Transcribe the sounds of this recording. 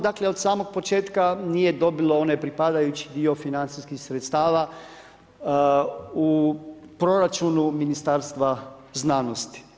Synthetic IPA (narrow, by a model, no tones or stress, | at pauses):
d̪akle̞o̞d̪saːmo̞ɡ̚po̞t͡ʃe̞ːt̪kanije̞d̪o̞bilo̞onepɾipad̪ajut͡ɕi̥d̪io̞finant̪siskixsɾet̪st̪aːʋa | u | pɾo̞ɾat͡ʃunuminist̪aːɾst̪ʋaznaːno̞st̪i̥